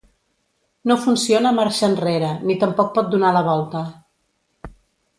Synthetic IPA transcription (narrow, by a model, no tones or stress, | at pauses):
nofunsionəmaɾʃənreɾənit̪əmpɔk̚pɔt̪̚d̪unaləβ̞ɔlˠt̪ə